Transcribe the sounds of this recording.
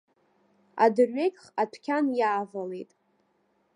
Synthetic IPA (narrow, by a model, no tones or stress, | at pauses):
a̰dɨrɥekʲʼχatʷʰkʲʰanjaːvale̞jtʼ